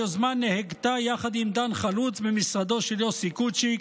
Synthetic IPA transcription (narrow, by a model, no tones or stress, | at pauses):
ozmanːeheɡt̪ajaχad̪imd̪anχalut͡sbemisʁad̪o̞ʃeljosikut͡ʃi